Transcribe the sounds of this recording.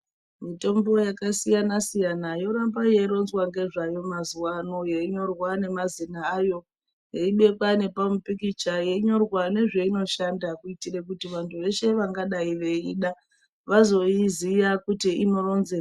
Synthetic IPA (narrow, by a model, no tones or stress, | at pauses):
mito̞mbojakasijanasijanajo̞ɾambaje̞iɾo̞nzwaŋɡe̞ʐajo̞mazuwano̞jeiɲo̞rwane̞mazinaːjo̞ | jeiɓe̞kwane̞pamupikit͡ʃaje̞ɲo̞rwane̞ʐe̞ino̞ʃandakuitire̞kutiʋantʰuʋe̞ʃe̞ʋaŋɡaɗaiʋe̞iɗa | ʋazo̞izijakutiino̞ro̞nze